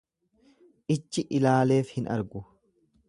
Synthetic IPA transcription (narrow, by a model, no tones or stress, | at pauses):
ʔɪt͡ʃːɪʔɪlaːle̞ːfhɪnɐ̰ɾɡʊ